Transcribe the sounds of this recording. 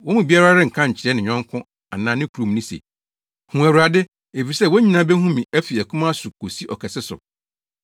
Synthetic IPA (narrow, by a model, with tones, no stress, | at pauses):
wɔ̃˦mũ˨bi˦a˦ɾa˦ɾɪ̃˦ŋ̩˨kʰã˦ɲ̩˨t͡ɕʰɪ˨ɾɛ˦nɪ̃˨ɲᶣɔ̃˦ŋ˦kʰʊ̃˦ | a̰˨nã˨˦nɪ̃˦kʰu˨ɾũ˨m˨nɪ̃˦sḛ˨ | hũ˨æ˨ɾu˨ɾa˨dɪ˦ | e˨fi˨sɛ˦˨wɔ˦ɲĩ˦nã˦bɛ˦ɦũ˦mĩ˨æ˦fi˨æ˨kʰũ˦mã˦sʊ˨kʰo˨si˦ʔɔ˨kʰɛ˨sɪ˦sʊ̰˨